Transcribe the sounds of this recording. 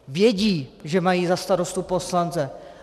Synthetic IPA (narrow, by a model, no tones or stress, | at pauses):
vjɛɟiːʒɛmajiːzast̪aɾost̪upo̞slant͡sɛ